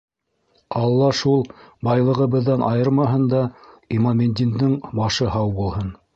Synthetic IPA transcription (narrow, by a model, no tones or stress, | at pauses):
ɑlˠːɑʃulˠbɑjlˠɤ̆ʁɤ̆βɤ̆ðːɑnʔɑ̰jɤɾmɑɦɤnd̪ɑ | imomʲenʲd̪ʲind̪ɘɴbɑʃɤɦɑwbulˠhɤn